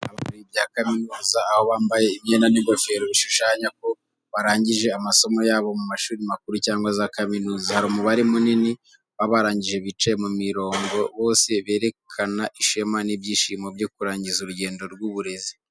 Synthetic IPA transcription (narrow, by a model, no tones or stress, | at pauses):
aβauɾibjaːkaminuːzaːho̞βaːmbajeimɲeːnaniŋɡofe̞ːɾoβiʃuʃaːɲak̚o̞ | βaɾaːɲɟiʒe̞amaso̞mo̞jaːβo̞mumaʃuːɾimak̚uɾucaːŋɡwazaːkaminuːzahaɾumuβaɾimunini | βaβaɾaːɲɟiʒeβit͡ʃaemumiɾo̞ːŋɡo̞βo̞ːse̞βe̞ːɾe̞kʰanaʔiʃemanibjiːʃimobjo̞kuɾaːɲɟizuɾuɟe̞ːndo̞ɾɡwuβuɾe̞zi